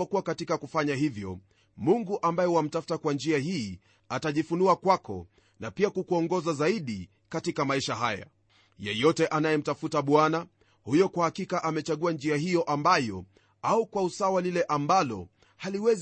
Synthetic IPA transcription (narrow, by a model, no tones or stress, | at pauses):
akuwakatikakufaɲaɦivjɔ̰ | muŋɡuʔambajɛwam̩tafu̥takwand͡ʒiahiː | ataʄifunuakwakɔ̰ | napiakukuɔŋɡɔzazaiɗi | katikamaiʃaɦaja̰ | jɛjɔtɛʔanajɛm̩tafutaɓwana | hujɔkwahakikaʔamɛt͡ʃaɠuand͡ʒiahijɔʔambajɔ̰ | aukwausawalilɛʔambalɔ̰ | haliwɛz